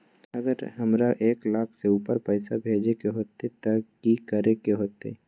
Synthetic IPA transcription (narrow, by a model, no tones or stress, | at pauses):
ɐɡəɾɦɐmɾaʔeːklaːkʰseuːpəɾpəɪsabʱeːd͡ʒekeɦoːt̪et̪akikəɾekeɦoːt̪ḛ